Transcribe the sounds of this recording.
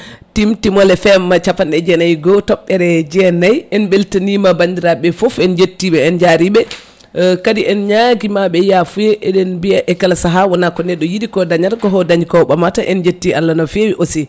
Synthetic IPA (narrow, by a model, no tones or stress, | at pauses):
timtimɔlɛfɛmːat͡ʃafanɛd͡ʒɛnajɡɔtɔɓːɛɾɛd͡ʒɛnajɛnbeltanimabandiɾaɓɛfofɛnd͡ʒetːiɓɛɛnd͡ʒaɾiɓɛ | kadiʔɛnɲaɡimaɓɛjafujɛʔɛɗɛnbiaʔɛkalsaɦawɔnakɔnɛɗːɔjidikɔdaɲaɾkɔɦɔdaɲikɔwɓamataʔɛnd͡ʒetːialːanɔfewiʔosi